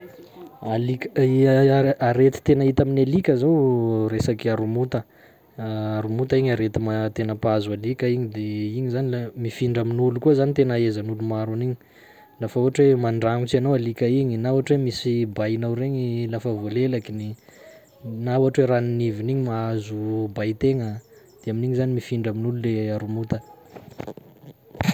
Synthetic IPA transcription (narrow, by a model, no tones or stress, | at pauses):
alikʲiaɾet̪i̥t̪enait̪aminalikʲəzawɾesakiaɾumut̪ə | aɾumut̪aiɲaɾet̪imat̪enəpazalikəiɲid̪eiɲizanilamifiɳɖ͡ʐaminulukuəzanit̪enəezanulumaɾuniɲi | lafəuɦaʈ͡ʂwemaɳɖ͡ʐaŋut͡ʃianowalikʲəiɲinauaʈ͡ʂwemisibajinawɾeɲilafəvolelakini | nauɦaʈ͡ʂweɾaniniviniɲimaazubajt̪eŋə | d̪̥eaminiɲizanimifiɳɖ͡ʐəminululeaɾumut̪ə